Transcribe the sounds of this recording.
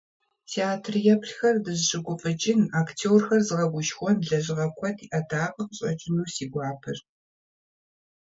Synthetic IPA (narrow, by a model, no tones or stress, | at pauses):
tʰeaːtʰrjɛpʰɬxɐrdɨzɕɨɡʷʊfʼɨt͡ʃʼɪnaːktʰoːrxɐrzɨʁɐɡʷʊʃxʷɔnɮɐʑɪʁɐkʷʰɔtʰiʔɐtʰaːqʼəqɕʼɐt͡ʃʼɪnuːsiːɡʷɑːpʰɨr